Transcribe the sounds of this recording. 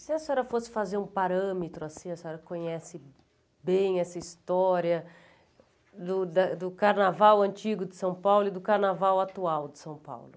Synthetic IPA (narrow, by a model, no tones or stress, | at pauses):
sɪɛsɔɾɐfosɪ̥fazeɾũpaɾɐ̃met̪ɾʊasĩɛsɔɾɐkõɲɛsɪ | bẽj̃ɛsɐist̪ɔɾjɐ | d̪ʊd̪ɐd̪ʊkaɾnavawɐ̃nt͡ʃiɡʊd̪ɪsɐ̃w̃pawlʊɪd̪ʊkaɾnavawat̪uawd̪ɪ̥sɐ̃w̃pa̰wlʊ